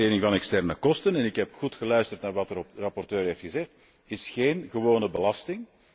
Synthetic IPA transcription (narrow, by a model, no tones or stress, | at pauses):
eːɾɪŋvɑnɛkstɛrnəkɔstənɛnɪkɦɛpxutxəlœɥstərtnaːrʋɑtərɑpɔrtøːrɦeːftxəzɛxt | ɪsxeːnɣəʋoːnəbəlɑstɪŋ